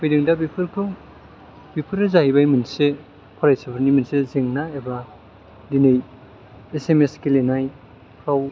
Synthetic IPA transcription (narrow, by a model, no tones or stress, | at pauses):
pojdiŋdabipʰɯɾkʰuŋ | bipʰɯɾɯzaɦibajmɯnse | pʰɔɾajsapʰɯɾniminsezeŋnaeba | dinej | esemeskelenaj | kʰaw